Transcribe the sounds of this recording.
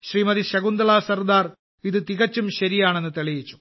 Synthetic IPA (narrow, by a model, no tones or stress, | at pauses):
ɕriːmɐðiɕɐɣund̪ɐɭaːsɐrd̪aːr | iðɨt̪iɣɐt͡ɕːumɕɐɾijaːɳe̞nːɨt̪eɭijit͡ɕːu̥